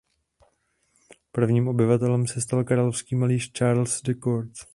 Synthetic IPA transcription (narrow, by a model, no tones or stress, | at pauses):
pr̩vɲiːmʔo̞bɪvat̪ɛlɛmsɛst̪alkaɾalofskiːmaliːʃt͡ʃaːɾlsdɛkoɾt̪